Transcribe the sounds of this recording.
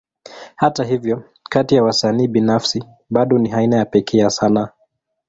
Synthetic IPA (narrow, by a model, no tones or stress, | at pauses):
hataɦivjɔ | katijawasaniːɓinafsi | ɓaɗɔniɦainajapɛkʰɛasana